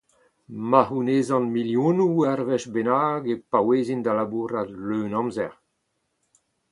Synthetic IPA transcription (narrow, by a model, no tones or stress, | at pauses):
mahuneːzɑ̃nmiljũnuɛrvɛʃbenaːɡepaweːzind̪alabuɾadløːnɑ̃mzɛʁ